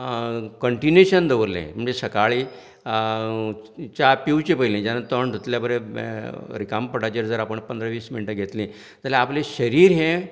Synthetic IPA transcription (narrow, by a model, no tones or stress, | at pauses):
kəɳʈineɕənd̪əʋəɾlḛ̃məɳd͡zesəkaɭi | t͡ɕapiwt͡ɕepəilẽd͡ʑanat̪əɳd̪ʱot̪ljabəɾe | ɾikampəɽat͡ɕeɾd͡zəɾapəɳpənd̪ɾəʋiːsminiʈəɡʱet̪lĩː | t̪əlɛapleɕəɾiːɾɦɛ̃